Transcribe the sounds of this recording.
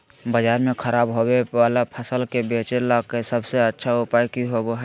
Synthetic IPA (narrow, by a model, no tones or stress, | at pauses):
bəd͡ʒaːɾmẽkʰəɾaːbɦoweʋaːlapʰəsəlkebeːt͡ʃelakesəbseətːʃʰaʊpaːjkiɦoboɦɛ